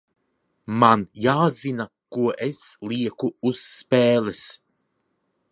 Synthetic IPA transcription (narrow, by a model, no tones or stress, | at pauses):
manjaːzina | kuəʔeslʲiəkuusːpeːlɛs